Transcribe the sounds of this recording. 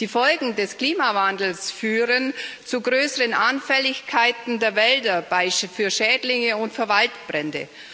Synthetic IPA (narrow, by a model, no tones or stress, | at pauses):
d̥iːfɔlɡŋ̩dɛskl̥iːmavandl̩sfyːʁənt͡suɡʁøːsəʁənʔanfɛlɪçkʰaɪtn̩deːɐvɛldɐbaɪfyːɐʃɛːdlɪŋəʊntfyːɐvaltb̥ʁɛndə̰